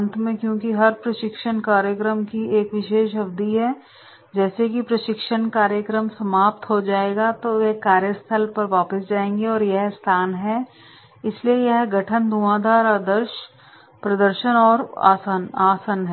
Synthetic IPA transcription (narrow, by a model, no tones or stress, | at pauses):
nt̪ʰmẽkjõːkiɦɐɾpɾɐʃɪkʃəɳkaːɾjəkɾəmkieːkʋɪʃeːʃ̬ɦɐbd̪iɦɛː | d͡ʒɛːsekipɾɐʃɪkʃəɳkaːɾjəkɾəmsɐmaːp̚t̪ɦod͡ʒaːeːɡat̪oʋekaːɾjəst̪ʰəlpɐɾʋaːpəsd͡ʒaːẽːŋ̆ɡeɔːɾjɐɦst̪ʰaːnɦɛ | ɪsliejɐɦɡɐʈʰənd̪uãːd̪aːɾaːd̪əɾʃ | pɾɐd̪əɾʃənɔːɾ̰sanaːsənɦɛ